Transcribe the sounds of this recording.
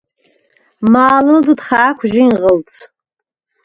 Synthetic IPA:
maːlɨlzɨdχaːkʷʰʒɪinʁəlt͡sʰʼ

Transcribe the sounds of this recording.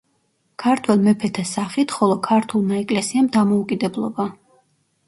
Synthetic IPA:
kʰaɾt̪ʰwɛlˠmɛpʰɛt̪ʰasaχit̪ʰχɔlˠɔkʰaɾt̪ʰulˠmaɛkʼlɛsiamd̪amɔukʼid̪ɛblˠɔba

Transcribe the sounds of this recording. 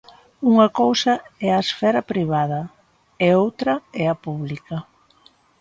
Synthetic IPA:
uŋɐkowsɐɛɐesfɛɾɐpɾiβ̞að̞ɐ | eowt̪ɾɐɛɐpuβlikɐ

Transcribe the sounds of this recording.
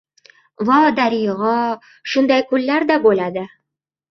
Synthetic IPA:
vɒd̪aɾijʁɑ | ʃʊnd̪ajkʰʊlːaɾd̪abolad̪ɪ

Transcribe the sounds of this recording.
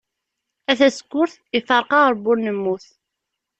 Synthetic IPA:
æθæsə̥kʷːʊɾθ | ifɑɾˤqɑɾˤbʊɾnəmːuθ

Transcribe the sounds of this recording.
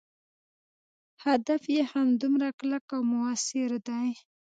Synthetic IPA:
had̪afjehamd̪ʊmɾaklakawmʊasɪɾd̪aj

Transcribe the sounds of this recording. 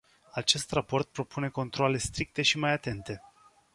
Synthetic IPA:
at͡ʃe̞st̪rapo̞rt̪̚pɾo̞pune̞ko̞nt̪ɾoale̞st̪ɾik̚t̪e̞ʃimajat̪e̞nt̪e̞

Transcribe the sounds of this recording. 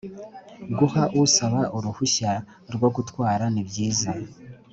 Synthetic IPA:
ɡuhaʔusaβaʔuɾuhuɕa | ɾwoɡutwaːɾanibjiːza

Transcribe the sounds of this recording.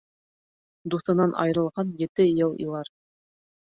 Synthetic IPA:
d̪uθɤ̆nɑnʔɑ̰jɤ̆ɾɤ̆lˠʁɑnjɘ̆t̪ɘjɤlˠḭlˠɑɾ

